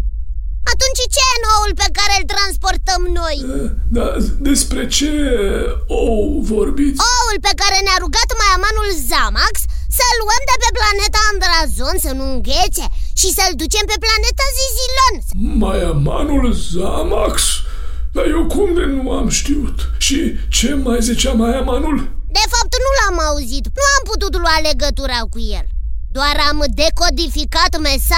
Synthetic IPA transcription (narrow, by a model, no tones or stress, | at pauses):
at̪unt͡ʃt͡ʃe̞jenoulpe̞kaɾelt̪ɾanspo̞rt̪əmno̞j | d̪ad̪e̞spɾe̞t͡ʃe | owvo̞rbit̪oulpe̞kaɾe̞neaɾuɡat̪majamanulzamakssəluəmd̪e̞pe̞plane̞t̪aːnd̪ɾazo̞nsənuuŋɡe̞t̪se̞ʃisəld̪ut͡ʃe̞mpe̞plane̞t̪azizilo̞nmajama̰nulzamaksd̪ajewkumd̪enuamʃt̪iut̪ʃit͡ʃe̞majzit͡ʃeamajamanuld̪e̞fap̚t̪nulamauzit̪nuamput̪ut̪lwale̞ɡət̪uɾakujḛld̪oaɾamd̪e̞ko̞d̪ifikat̪mesa